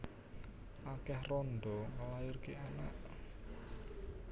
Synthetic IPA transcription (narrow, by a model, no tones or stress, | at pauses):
ʔakɛhrɔnɖɔŋəlajʊrkeanaʔ